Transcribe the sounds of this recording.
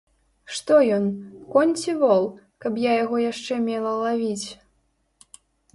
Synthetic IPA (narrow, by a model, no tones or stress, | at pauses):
ʂt̪ɔjɔnkɔnʲt͡sʲivɔlˠ | kɐpjajaɣɔjaʂt͡ʂɛmʲɛlˠɐlˠavʲit͡sʲ